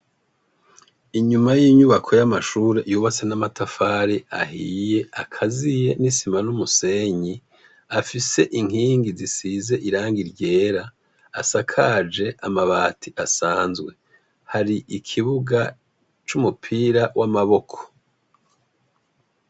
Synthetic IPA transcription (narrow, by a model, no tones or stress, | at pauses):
iɲumajiːɲuβakʰo̞jamaʃuɾe̞ʔjuːβat͡se̞namatʰafaːɾia̰hije̞akʰazije̞nisimanumuse̞ɲi | afise̞ʔiŋ̥iːŋɡizisize̞ʔiɾaːŋɡiɾɟe̞ːɾaː | sakʰad͡ʒe̞ʔamaβaːtʰiʔasaːnzɡwe̞ | haɾiʔikʰiβuɡa | t͡ʃumupʰiːɾawʔamaβo̞kʰo̥